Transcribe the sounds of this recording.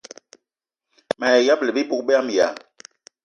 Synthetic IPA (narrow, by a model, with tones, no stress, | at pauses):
mɛ˨ɛ˨ja˦blɛ˨bi˦bu˦k̚bɛ˦a˦m˨ja˨